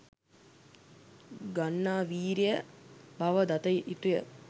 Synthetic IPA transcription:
ɡanːaːʋiːɾijəbaʋəd̪at̪əiʔiʈujə

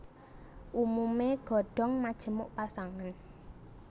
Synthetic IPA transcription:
ʔumumeɡ̥ɔ̤ɖ̥ɔ̤ŋmad̥ʒ̥ə̤mʊʔpasaŋan

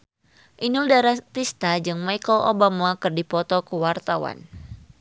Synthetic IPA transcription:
ʔinuldaɾat̪ist̪ad͡ʒɨŋmajkəlʔo̰bamakɨrdipɔt̪ɔkəwart̪awa̰n

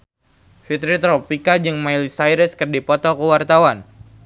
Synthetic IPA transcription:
fit̪ɾit̪ɾopikad͡ʒɨŋmailsajɾəskɨrdipɔt̪ɔkuwart̪awan

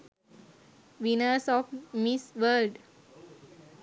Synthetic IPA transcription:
ʋinəɾsɔfmisʋəlɖ

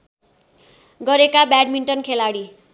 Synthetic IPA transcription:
ɡʌɾekabaɖ̚miɳʈʌnkʰelaɽi

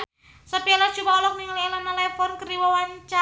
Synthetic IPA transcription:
səpialḁd͡ʒ̥ubaɔlɔk̚niŋlilanalɛfɔnkəɾiwawaɲt͡ʃa

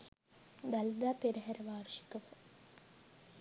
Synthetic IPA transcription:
d̪ɐld̪aːpeɾɐɦɐɾɐʋaːrʂi̥kuʋɐ

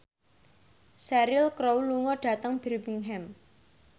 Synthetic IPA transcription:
sɛɾɪlkɾowluŋɔɖ̥a̤t̪əŋb̥ɛrmiŋɦɛm

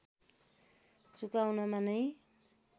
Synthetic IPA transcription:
t͡sukawnamanʌj

